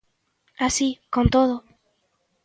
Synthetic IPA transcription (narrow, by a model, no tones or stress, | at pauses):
asikont̪oðo